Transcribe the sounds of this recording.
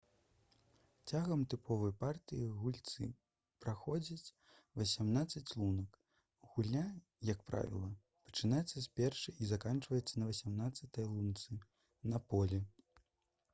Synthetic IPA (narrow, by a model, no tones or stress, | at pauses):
t͡sʲaɣɐmt̪ɨpʰɔvɐjpart̪ɨjiɣulʲt̪sɨ̰ | pɾaxɔd͡zʲit͡sʲ | vɐsʲamnat̪sːɐt͡sʲlˠunɐk | ɣulʲa | jɐkpɾa̰vʲḭlˠɐ | pɐ̥t͡ʂɨnajɛt̪sːɐspʲɛrʂɨʔizakant͡ʂvɐjɛt̪sːɐnɐvɐsʲamnat̪sːɐt̪ɐjlˠunt̪sɨ | nɐpɔlʲɛ